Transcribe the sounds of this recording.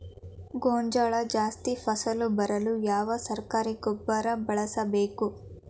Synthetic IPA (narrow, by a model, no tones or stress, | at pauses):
ɡoːɲd͡ʒɐɭɐd͡ʒaːst̪ipʰɐsɐlubɐɾɐlujaːʋɐsɐɾkaːɾiɡɔbːɐɾɐbɐɭɐsɐbeːku